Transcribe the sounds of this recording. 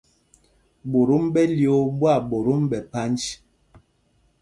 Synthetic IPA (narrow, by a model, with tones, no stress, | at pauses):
bo˨ɾo˦mbɛ˦li˦˨o˦bwa˦˨bo˨ɾu˦mbɛ˨pa˦nd͡ʒ